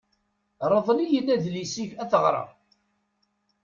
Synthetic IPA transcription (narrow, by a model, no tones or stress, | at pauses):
ɾˤəðˤlijəlːæðlisiʝæθəʁɾˤɑ̰